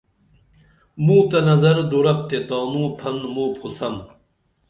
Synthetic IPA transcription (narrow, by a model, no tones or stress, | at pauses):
muːt̪ɐnɐzɐɾd̪uɾɐp̚t̪et̪aːmũːpʰɐnmuːpʰusɐm